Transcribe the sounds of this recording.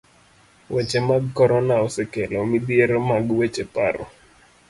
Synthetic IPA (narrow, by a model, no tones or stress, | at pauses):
wet͡ʃemaɡkɔɾɔnaɔsɛkelɔmidieɾomaɡwet͡ʃepa̰ɾɔ̰